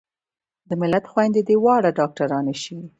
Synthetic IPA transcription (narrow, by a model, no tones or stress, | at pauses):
d̪əmɪlat̪xwajnd̪ed̪ewɑɽaɖɑk̚ʈaɾɑneʃiwi